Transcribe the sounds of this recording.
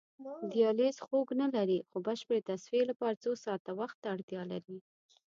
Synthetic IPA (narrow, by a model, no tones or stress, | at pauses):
d̪ijɑlezxoɡnalaɾixobəʃpəɾet̪asfielapɑɾat͡sosɑt̪awaxt̪ːaːɽt̪jɑla̰ɾi